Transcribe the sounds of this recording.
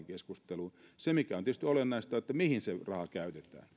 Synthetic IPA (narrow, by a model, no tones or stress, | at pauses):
ŋkeskust̪elusemikæont̪iest̪yolenːɑist̪ɑet̪ːæmihinserɑhɑkæyt̪et̪æ̰ːn